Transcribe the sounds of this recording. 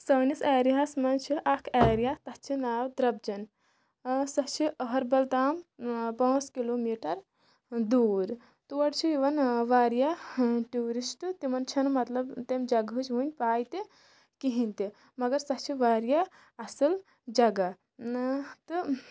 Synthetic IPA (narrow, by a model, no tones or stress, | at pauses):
sɐːnisaːɾjasmɐnt͡ʃʰiʔɐkʰaːɾijat̪ɐst͡ʃʰinaːwd̪ɾɐb̚d͡ʒɐn | sɐt͡ʃʰiɐɦɐɾbɐlt̪aːmpɐ̃ːskiloːmiːʈɐɾ | d̪uːɾ | t̪uʋɐɽt͡ʃʰiiʋɐnʋaːɾjaʈuːɾisʈɨt̪imɐnt͡ʃʰɐnmɐt̪lɐbt̪emd͡ʒɐɡɨt͡ʃʋunʲpaːjt̪i | kiɦint̪i | mɐɡɐɾsɐht͡ʃʰiʋaːɾja | ɐsɨl | d͡ʒɐɡa | t̪ɨ